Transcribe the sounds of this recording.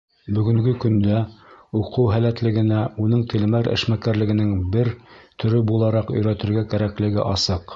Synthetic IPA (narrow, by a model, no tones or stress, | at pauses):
bɵ̆ɡɵ̆ŋɡɘkɵ̆nd̪æuqɤwɦælæt̪lɘ̆ɡɘ̆næunɤɴt̪ʰɘ̆lɘ̆mæɾɘ̰̆ʃmækæɾlɘ̆ɡɘ̆nɘŋbɘɾt̪ʰɵ̆ɾɘbulˠɑɾɑqɵ̆jɾæt̪ɘ̆ɾɡækæɾæklɘ̆ɡɘ̰ʔɑsɤq